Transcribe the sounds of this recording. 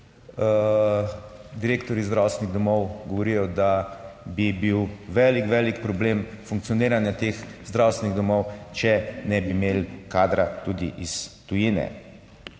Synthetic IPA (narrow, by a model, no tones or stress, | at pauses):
d̪iɾeːkt̪ɔɾizd̪ɾawsʲɛniɣd̪ɔmɔwɡɔʋɔɾijɔd̪abibiwʋɛlikʋɛlikpɾɔbleːm | fuŋkt̪sijɔneːɾanjat̪eːxzd̪ɾawst̪ʋɛniɣd̪ɔmɔwt͡ʃɛnɛbimeːlkaːd̪ɾat̪uːd̪iʔist̪ujiːnɛ̰